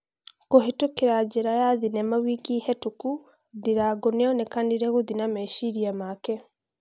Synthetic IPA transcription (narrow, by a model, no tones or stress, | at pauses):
koɦetokeɾad͡ʒeɾajaðinɛmawikihɛtuku | diɾaɡoneɔnekandiɾeɣoðinamɛʃiɾiamakɛ